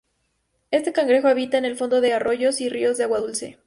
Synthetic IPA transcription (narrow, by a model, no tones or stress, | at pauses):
e̞st̪e̞kaŋɡɾe̞xoaβit̪aenelfo̞nd̪o̞ðe̞aro̞ʝosirio̞zðeaɣwaðulse̞̰